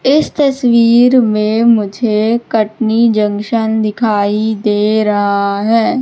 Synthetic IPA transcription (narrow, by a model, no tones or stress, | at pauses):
ɪst̪əswiːɾmẽmʊd͡ʒʱekəʈnid͡ʒə̃ŋkʃənd̪ɪkʰaːid̪eːɾɐɦaɦɛː